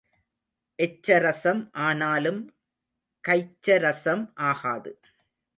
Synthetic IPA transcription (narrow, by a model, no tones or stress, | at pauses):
ʔɛt͡ʃːɐɾɐsɐmʔaːnaːlɯm | kɐɪt͡ʃːɐɾɐsɐmʔaːɣaːðɯ